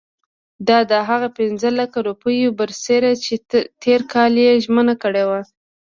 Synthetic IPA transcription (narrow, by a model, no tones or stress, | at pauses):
d̪ɑd̪əɦaɣapɪnzəlakaɾupəjobəɾseɾat͡ʃet̪eɾkɑljeʒmənakəɽewa